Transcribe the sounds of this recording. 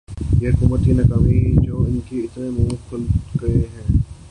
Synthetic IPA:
jeɦʊkuːmət̪kinɐkaːmid͡ʒoːɪnkiɪt̪nemũːkʰʊlɡəeɦɛ̃ː

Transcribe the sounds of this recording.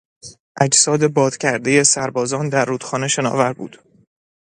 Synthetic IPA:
ʔæd͡ʒsɒːd̪e̞bɒːt̪cʰæɾd̪e̞je̞sæɾbɒːzɒːnd̪æɾːuːd̪̥xɒːne̞ʃe̞nɒ̰ːvæɾbṵːd̪̥

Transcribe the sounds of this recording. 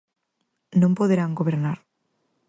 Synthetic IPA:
nõmpoðeɾaŋɡoβeɾnaɾ

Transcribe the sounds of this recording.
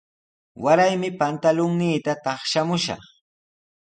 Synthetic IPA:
waɾajmɪpant̪alʊŋniːt̪at̪ɑχʃamʊʃɑ̰χ

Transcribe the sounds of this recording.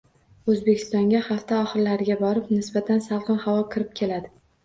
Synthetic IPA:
ɵzbekʲʰɪst̪ɒŋɡʲahaft̪ʰaɒχɨɾlaɾɪɡʲabɒɾɪpnɪsbat̪ʰansalˠqɨnhawɒkʲʰɪɾɪp̚kʲʰe̞lad̪ɪ

